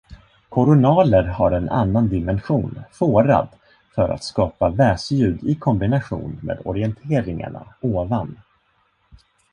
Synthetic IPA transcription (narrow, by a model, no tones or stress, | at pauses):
kʰʊɾʊnɑːləɾhaɾɛna̰nːand̪ɪmɛnɧuːnfoːɾa̰d̪ | fœɾa̰t̪skɑːpavɛːsjʉ̟ːd̪ɪkʰɔmbɪnaɧṵːnmḛːd̪ɔɾɪɛnt̪ʰeːɾɪŋa̰ɳa̰oːvan